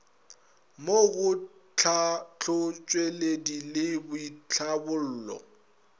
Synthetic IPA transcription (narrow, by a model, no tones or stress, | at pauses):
moɣʊt͡ɬʰat͡ɬʰʊt͡ʃʼweledilɪbʊit͡ɬʰabʊl̩ːlɔ̰